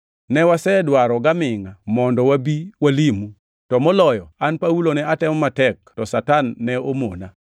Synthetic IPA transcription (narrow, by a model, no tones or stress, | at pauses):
nɛwasɛdwaɾɔɡamɪŋamɔndɔwabiwalimu | tɔmɔlɔjɔanpaulonɛatɛmɔmatɛk̚tɔsatanːɛomona